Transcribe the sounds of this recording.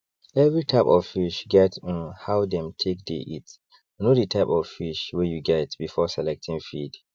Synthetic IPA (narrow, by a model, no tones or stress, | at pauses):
ɛvɹitʰaɪpɔv̥fiʃɡɛtɔ̃nhaʊdɛ̃mtʰek̚dḛʔit | nodətʰaɪpɔv̥fiʃwɛjuɡɛtbifɔsɛlɛk̚tʰĩŋfid